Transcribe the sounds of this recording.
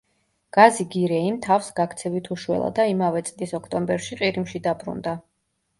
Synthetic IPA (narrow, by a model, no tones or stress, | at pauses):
ɡ̥aziɡiɾɛimt̪ʰafsɡakʰt̪sʰɛvit̪ʰuʃwɛ̰lˠa̰d̪aimavɛt̪sʼlisɔkʰt̪ʼɔmbɛɾʃiqʼiɾimʃid̪abɾṵnd̪a